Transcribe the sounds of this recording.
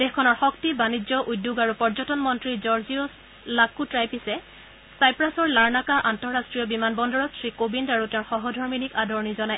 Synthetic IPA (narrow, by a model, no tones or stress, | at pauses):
d̥exkʰɔnɔɹxɔktibanid͡ʒɔʔudːjuɡaɹupɔɹzɔtɔnmɔntɹizɔɹzijɔs | lakutɹajpisɛ | sajpɹasɔɹlaɹnakaʔantɔɹastɹijɔbimanbɔndɔɹɔtsɹikobindaɹutɛ̃ʊ̃xɔɦɔdʱɔɹminikadɔɹɔnizɔnaj